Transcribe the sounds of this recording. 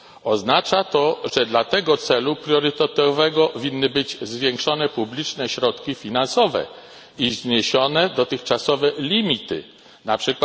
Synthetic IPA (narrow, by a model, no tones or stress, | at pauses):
ɔznat͡ʂat̪ɔʐɛd̪lat̪ɛɡɔt̪sɛlupɾʲjɔɾɘt̪ɛt̪ɔvɛɡɔvʲinːɘbɘd͡ʑzvʲjeŋkʂɔnɛpublʲit͡ʂnɛɕɾɔt̪kʲifʲinansɔvɛ̰ | izɲeɕɔnɛd̪ɔt̪ɘxt͡ʂasɔvɛlʲimʲit̪ɘ̰ | napʂɘkw